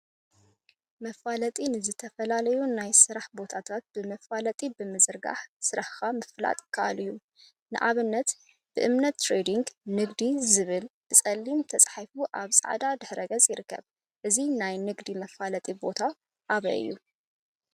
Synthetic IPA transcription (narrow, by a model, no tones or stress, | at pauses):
mɐfalɐt̪ʼinɨzɨt̪ʰɐfɐlalɐjunajsɨɾaħbo̞t̪ʰat̪ʰat̪̚b̥ɨmɐffalɐt̪ʼibɨmɨzɨɾɡa̰ħsɨɾaħxamɨfla̰t̪ʼkʰaʔa̰lɨjːu | nɨʔaβɨnːɐt̪ | b̥ɨʔɨmnɐt̪ːɾed̪iŋɡnɨɡd̪izɨβɨlb̥ɨt͡sʼɐlːimt̪ʰɐt͡sʼħajfuʔaβsʼa̰ʕd̪ad̪ɨħɾɐɡɐt͡sʼjɪɾɨkʰːɐ̰β | ʔɨzinajnɨɡd̪imɐfalɐt̪ʼibo̞t̪ʰa | ʔaβɐ̰ʔɨ̰jːu